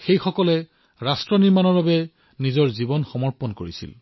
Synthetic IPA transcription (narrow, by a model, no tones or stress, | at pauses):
xejxɔkɔlɛ | ɹastɹɔniɹmanɔɹbabɛ | nizɔɹzibɔnxɔmɔɹpɔnkoɹisḭl